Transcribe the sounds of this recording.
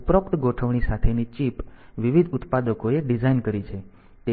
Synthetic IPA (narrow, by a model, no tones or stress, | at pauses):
upɾəpt̪ɡoʈʰəʋɳisat̪ʰenit͡ʃipʋiʋid̪ʱʊt̪pad̪əkoeɖid͡ʒainkəɾit͡ʃʰe | t̪e